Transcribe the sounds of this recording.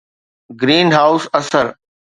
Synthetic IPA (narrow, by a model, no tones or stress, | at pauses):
ɡɾiːnɦaːʊsɐsəɾ